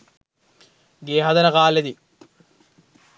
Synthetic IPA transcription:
ɡeːɦɐd̪ɐnɐkaːled̪i

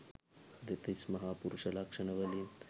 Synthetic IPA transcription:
d̪it̪ismɐɦaːpuɾuʃɐlakʂɐnɐʋɐlin

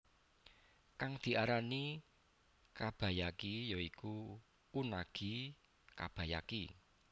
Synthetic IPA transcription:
kaŋd̪̥i̤ʔaɾani | kab̥a̤jakijoiku | unaɡ̥i̤ | ka̰b̥a̤ja̰ki

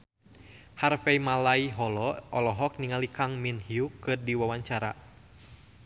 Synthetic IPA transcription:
harfɛmalaiɦɔlɔʔɔlɔɦɔk̚niŋalikaŋminhiukɨrdiwawaɲt͡ʃaɾa̰

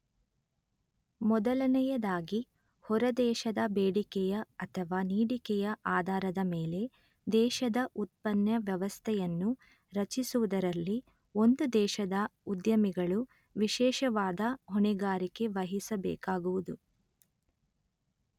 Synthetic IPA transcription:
mɔd̪ɐlɐnɛjɐd̪aːɡi | hɔɾɐd̪ɛːʃɐd̪ɐbeːɽikɛjɐɐt̪ʰɐʋaːniːɽikɛjɐʔaːd̪ʱaːɾɐd̪ɐmeːle̞ | d̪ɛːʃɐd̪ɐʔut̪̚pɐnjɐʋjɐʋɐst̪ʰɛjɐnːu | ɾɐt͡ʃisuʋud̪ɐɾɐlːi | o̞nd̪ud̪ɛːʃɐd̪ɐud̪jɐmiɡɐɭu | ʋiʃɛːʃɐʋaːd̪ɐɦɔɳɛɡaːɾike̞ʋɐɦisɐbɛ̰ːkaːɡuʋud̪u

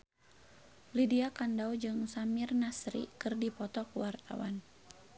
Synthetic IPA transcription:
lidiakandawd͡ʒɨŋsamirnasɾḭkɨrdipɔt̪ɔkuwart̪a̰wa̰n

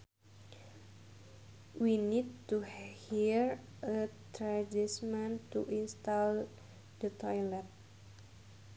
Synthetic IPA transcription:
winid̚tuhiɹ | ət̪ɾad͡ʒismãnt̪uʔinst̪al | dət̪ʰɔjlɛt̪̚

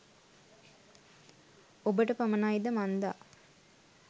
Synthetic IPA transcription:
obəʈəpamənaid̪əmand̪a̰

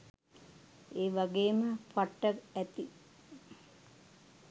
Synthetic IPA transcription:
eːʋaɡeːməfaʈːəæt̪i

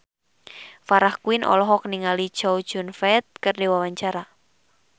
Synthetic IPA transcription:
faɾahkuɪnʔɔ̰lɔɦɔkniŋali̥ʒ̥owd̥ʒ̥ʊ̤nfɛt̪̚kərdewawaɲt͡ʃaɾa

